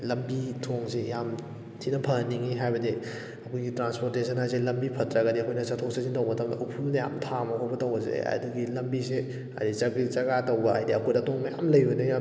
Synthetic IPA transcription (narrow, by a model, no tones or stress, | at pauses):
lɐmbitʰoŋsejam | tʰinɐpʰɐŋnːiŋiɦajbɐdi | ɐkʰojɡitɾanspoɾtesʰɐnhajs̬elɐmbipʰɐtɾɐɡɐdiɐkʰojnɐt͡ʃɐtʰok̚sʰaziŋtɐwmɐtɐmdɐʔɐwpʰunɐja̰mtʰamɐkʰojbɐtɐwbɐzḛɐ̰duɡilɐmbise | ɐ̰ɾit͡ʃɐbit͡ʃɐɡatɐwbɐhajdiɐkʰojdɐtoŋmɐja̰mlɐjɦojnɐja